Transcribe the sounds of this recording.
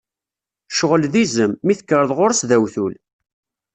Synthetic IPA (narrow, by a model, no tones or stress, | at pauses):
ʃoʁəlðizəmːiθəkːəɾəðˤʁʊɾsðæwθul